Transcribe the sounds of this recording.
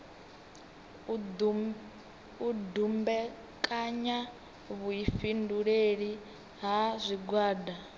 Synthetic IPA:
udumbɛ | kʼaɲa | βuifinduɺeɺi | ɦazʷiɡwaːda

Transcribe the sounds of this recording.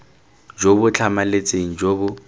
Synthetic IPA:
d͡ʒobʊt͡ɬʰamalet͡sʼeŋ̩d͡ʒobʊ

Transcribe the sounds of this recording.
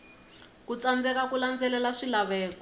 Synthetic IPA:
kut͡sand͡zɛkakuland͡zɛlɛlaʂilaβɛːkɔ

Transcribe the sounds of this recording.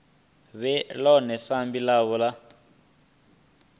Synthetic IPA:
βɛlɔnɛsambilaβɔla

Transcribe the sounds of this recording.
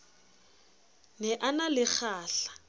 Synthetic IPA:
nɛʔanalɪk͡xʰaːɬḁ

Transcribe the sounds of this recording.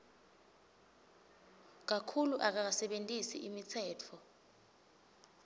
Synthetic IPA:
k̬akʰuluʔak̬ak̬asɛɓentʼisiʔimit͡sʰɛːtʰɔ

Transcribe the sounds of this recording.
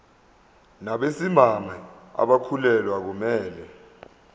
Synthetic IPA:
naɓesimamaa̰ɓakʰulɛlwak̬umɛːlɛ

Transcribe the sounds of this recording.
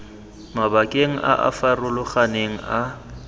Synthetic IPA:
mabakʼeŋ̩ʔa̰ʔa̰farʊlʊχaneŋ̩a

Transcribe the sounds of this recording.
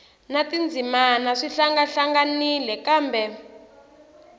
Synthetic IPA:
natind͡zʱimanaʂiɬaŋɡaɬaŋɡanilɛkaːmbɛ

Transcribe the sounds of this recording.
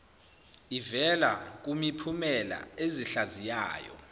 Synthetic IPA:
ivɛlak̬umipʰumɛla̰eziɬazija̰ːjɔ̰

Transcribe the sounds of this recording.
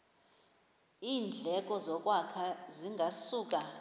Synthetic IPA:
iːnd͡ɮʱɛk̬ʼɔzɔkʼwakʰaziŋɡʱasuːk̬ʼa

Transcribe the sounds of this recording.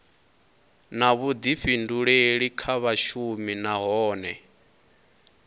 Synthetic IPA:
naβud̪iɸinduɺeɺikʰaβaʃuminaɦɔːnɛ

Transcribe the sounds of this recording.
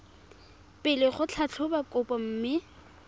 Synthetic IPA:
pʼɪlɪχʊt͡ɬʰat͡ɬʰʊbakʼʊpʼɔm̩ːmɪ

